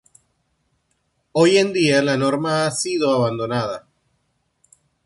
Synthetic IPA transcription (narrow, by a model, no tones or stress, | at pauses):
o̞je̞nd̪ialano̞ɾmaasiðo̞aβand̪o̞naða